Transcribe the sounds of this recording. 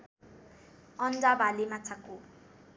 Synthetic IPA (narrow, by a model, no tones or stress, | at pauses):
ɔnd͡zabalemat͡sʰaku